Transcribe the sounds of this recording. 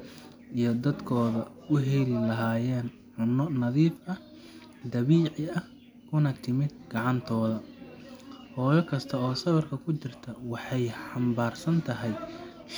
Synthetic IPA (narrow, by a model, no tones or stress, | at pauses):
ijɞd̪ɐd̪kʰɔːðɐ | ʊɦɛlɪlɐɦaːjɛːn | ħʊnːɔnɐðiːfɐ | d̪ɐβiːʕɪɐh | kʰʊnɐt̪ʰɪmɪd̪̚ɡɑʕɑnt̪ʰɔːðɐ | hɔːjɔkʰɐst̪ʰɐɔːsɐβɐrkʰɐkʰʊt͡ʃɪrt̪ʰɐwɑħɑjħɑmbaːrsɐnt̪ʰɐɦɛj | ʃ